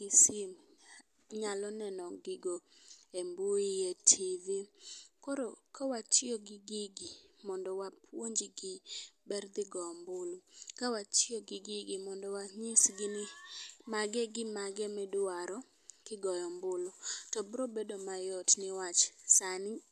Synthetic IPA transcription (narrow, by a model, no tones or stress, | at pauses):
ɡ̥ɪsɪm | ɲalɔnɛnɔɡɪɡoemboietʰivikɔɾokawat͡ʃɪɔɡɪɡɪɡimɔndɔwapʰwoɲd͡ʒiɡɪbɛrd̪ɪɡɔɔmbʊlokawat͡ʃɪɔɡɪɡɪɡɪmɔndɔwaɲɪsɡɪnmaɡɛɡɪmaɡɛmɛdaɾɔ | kɪɡɔjɔmbʊlotɔbɾɔbedomajɔtnɪwat͡ʃsanɪ